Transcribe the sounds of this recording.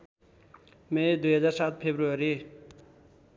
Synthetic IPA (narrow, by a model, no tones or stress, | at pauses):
med̪ujɦʌd͡zaːɾsat̪̚ʰpʰebɾuaɾi